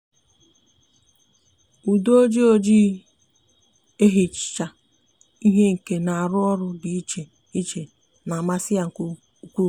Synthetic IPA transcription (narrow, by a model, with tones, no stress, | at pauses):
u˨do˦o˦d͡ʒi˦o˦d͡ʒi˦ | e˦ɦi˨t͡ʃt͡ʃa˨ | i˦ɦe˦ŋ̩˨ke˦na˨a˨ɾʊ˦ɔ˦ɾʊ˦di˨i˦t͡ʃe˨ | i˦t͡ʃe˨ | na˨ma˦sɪ˦a˨ŋ̩˨ku˦ | u˦kʷu˦